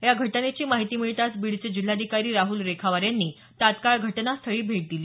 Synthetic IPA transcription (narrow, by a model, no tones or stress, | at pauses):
jaɡʱəʈənet͡ɕiːmaɦit̪iːmiɭt̪asbiɽt͡səd͡ʑil̤ːad̪ʱikaɾiːɾaɦuːlɾekʰaʋaɾjanːiː | t̪at̪kaɭɡʱəʈnast̪ʰəɭiːbʱeʈ̚d̪iliː